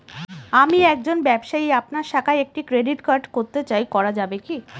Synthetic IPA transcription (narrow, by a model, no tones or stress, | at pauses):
amiɛk̚d͡ʑonbɛbʃaiapnaɾʃakʰaeek̚ʈikɾeɖiʈkaɾɖkoɾt̪et͡ɕajkɔɾad͡ʑabeki